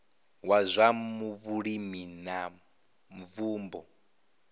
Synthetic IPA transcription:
wazʷamuβuɺimina | ɱvuːmbɔ

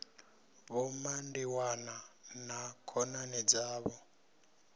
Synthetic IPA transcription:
βɔmandiwananakʰɔnanɛd͡zaːβɔ

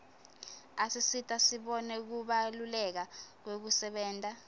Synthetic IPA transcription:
asisitʼasiɓɔnɛk̬uɓalulɛk̬ak̬wek̬usɛɓɛːntʼa

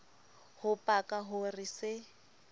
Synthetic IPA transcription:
hʊpʼakʼaɦʊrɪsɪ

